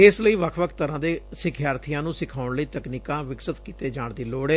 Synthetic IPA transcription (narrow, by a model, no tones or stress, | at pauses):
ɪsləiːʋəkʰʋəkʰt̪əɾãːd̪eːsɪkʰjaːɾt̪ʰijãːnũːsɪkʰaːʊɳləiːt̪əkniːkãːʋɪksət̪kiːt̪eːd͡ʒaːɳd̪iːloːɽeː